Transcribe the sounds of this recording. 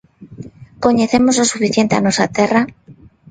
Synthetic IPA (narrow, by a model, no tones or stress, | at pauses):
ko̞ɲe̞θemozlosufiθje̞nt̪ea̰nwosat̪era